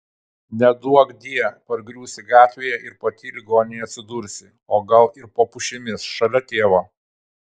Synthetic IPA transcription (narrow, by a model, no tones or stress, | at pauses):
nʲɛd̪uɔɡd̪ʲiɛpɐɾɡɾʲuːsʲɪɡɑːt̪ʲʋʲeːjɛʔɪɾpɐt̪ʲiːlʲɪɡoːnʲɛjɐt̪ʲsʲɪd̪uːɾʲsʲɪ | oːɡɐlˠɪɾpoːpʊʃʲɪmʲɪsʃɐlʲɛt̪ʲeːʋɐ